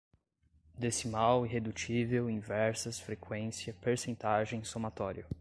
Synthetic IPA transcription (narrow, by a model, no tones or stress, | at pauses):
d̪esimawiɦed̪ut͡ʃivewĩvɛɾsɐsfɾekʰwẽsiɐpeɾsẽnt̪aʒẽj̃somat̪ɔɾiɐ